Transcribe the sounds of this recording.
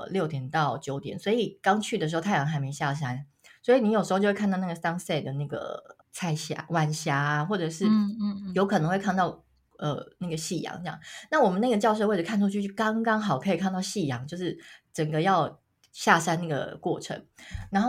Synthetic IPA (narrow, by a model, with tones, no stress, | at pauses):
ljo˥˩ʊt̪jɛ˨˦nt̪ɑ˥˩ʊt͡ɕjo˨˧˥ʊt̪jɛ̰˨˦nswɔ˧˥i˨˩kɑ˥ŋt͡ɕʰy˥˩ə˩ʂɻ̩˧˥o˥˧t̪ʰa˥˩jɑ˧˦ŋxa˧˥ɪme˧˥ɪɕja˥˨˩ʂ̬a˥n | swɔ˧˥i˨ni˧˥jʂɻ̩˧˥o˥˧t͡ɕo˥˧˥wʰa˥˧˥n˥˩ɡə˩st̪ɑ˥ŋse˥˩ɪd̪ə˩na˥˩ɡə̰˩ | t͡sʰa˥ɪɕja̰˥wa˥nɕja˥xwɔ˥˩ʈ͡ʂɤ˨˩ʂɻ̩˥˩jo˧˥ʊkʰɤ˨˩nɤ˧˦ŋwe˥˧ɪ˥˧nt̪ɑ˥˩ʊ | ə˨˩na˥˩ɡə˩ɕi˥˩jɑ̰˨˥˦ŋ˥˧jɑ̰˥˨˩ŋna˥˩wɔ˨˩mə˦na˥˩ɡə˩t͡ɕjɑ˥˧ʊʂ̬we˥˩ə˨˩kʰa˥˩nʈ͡ʂʰu˥t͡ɕʰy˥˧t͡ɕy˥˩kɑ˥ŋkɑ˥ŋxɑ˨˩ʊkʰɤ˧˥i˨˩kʰa˥˧nt̪ɑ˥˧ʊɕi˥˩jɑ˧˥ŋt͡ɕjo˥˧ʊʂɻ̩˥˩ʈ͡ʂə˨˩ŋɡə˦jɑ˥˧ʊ | ɕja˥˩ʂa˥na˥˩ɡə̰˩kwɔ˥˩ʈ͡ʂʰə̰˧˥˦ŋɻa˧˥nxo˥˨